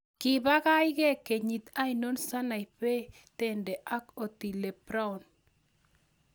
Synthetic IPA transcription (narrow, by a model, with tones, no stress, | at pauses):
kɪ˨ba˦ɣa˦jɣɛ˦ke˨ɲi˨t̪a˦ino˦nsa˦na˨jpe˦ | tɛ˦ndɛ˨ʔa˦ko˨t̪i˨le˨pɾa˦ɔ˨n